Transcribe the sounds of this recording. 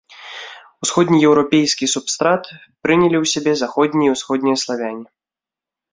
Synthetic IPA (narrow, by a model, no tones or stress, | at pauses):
usxɔd̪ʲnʲijɛwɾɔpʲejsʲkʲisupst̪ɾat̪ | pɾɨnʲɐlʲiwsʲabʲɛzaxɔd̪ʲnʲiiwsxɔd̪ʲnʲijɐslˠavʲanʲi